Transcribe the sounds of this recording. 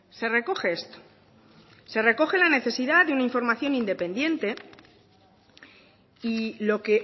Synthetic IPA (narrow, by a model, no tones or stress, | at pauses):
se̞re̞koxst̪ | se̞re̞ko̞xe̞lane̞θe̞siðaðeunaiɱfo̞ɾmaθjo̞nind̪e̞pẽ̞nd̪je̞nt̪e̞ | ilo̞ke̞